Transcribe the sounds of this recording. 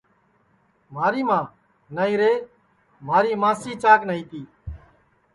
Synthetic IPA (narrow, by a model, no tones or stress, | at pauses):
m̤aːɾiːmãː | naːiːɾeː | maːɾiːmãːsiːt͡ʃaːknəiːt̪iː